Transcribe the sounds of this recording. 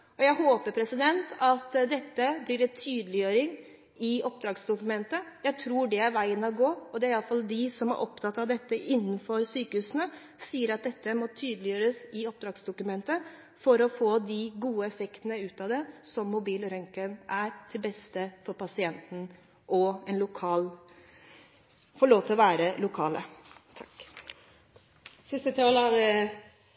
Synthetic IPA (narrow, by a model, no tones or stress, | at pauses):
ɔjæɪhoːpəɾpʰɾɛsɪd̪ɛnt̪ɑt̪d̪ɛt̪ːəblɪɾɛnt̪ʰyːd̪lɪjøːɾɪŋ | ɪɔp̚d̪ɾɑːɡsd̪ʊkʉmɛnt̪əjæɪt̪ʰɾuːɖɛæɾʋæɪənɑɡoːɔd̪ɛæɾɪɑlːəfɑld̪ɪsɔmæ̰ɾʔɔpt̪ʰɑt̪ːɑʋd̪ɛt̪ːəʔɪnːənfɔɾsyːkəhʉːsnə | siːəɾɑt̪̚d̪ɛt̪ːəmɔt̪ʰyːd̪əlɪjøːɾəsɪɔp̚d̪ɾɑːɡsd̪ʊkʉmɛnt̪ə | fɔɾɔfoːd̪ɪɡuːəɛfɛkt̪ənəʉːt̪ɑd̪ɛsɔmːʊbiːlɾɛŋkənʔæɾt̪ʰɪlbɛst̪əfɔɾpʰɑsɪɛnt̪n̩ | ʔɔɛnlʊkʰɑːl | fɔɭoːʋt̪ʰɪlɔʋæːɾəlʊkʰɑːlə̰t̪ʰɑk | sɪst̪ət̪ʰɑːlɑ